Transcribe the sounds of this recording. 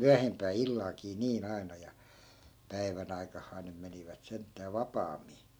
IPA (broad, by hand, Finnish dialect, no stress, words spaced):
myæhempæː ilːɑlkiː niːn ɑi̯nɑ jɑ pæiʋæn ɑikɑhːɑːn nym meniʋæt sentːæː ʋɑpɑːmːi